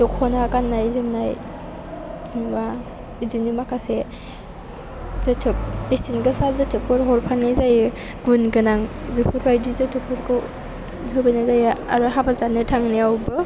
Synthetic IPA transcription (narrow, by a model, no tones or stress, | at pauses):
dɔkʰhɔnakanːajzɯmnaj | zinba | izinimakʰase | z̥ɯtʰɯp̚isinɡɯsazɯtʰɯp̚kɔɾɦɔɾpʰanazajɯ | ɡunɡɯnaŋbipʰuɾbajdizɯtʰɯp̚ʰɯɾkʰɯw | nɦɯbɯnazaja̰ɾɯɦabazanɯtʰaŋniawbɯ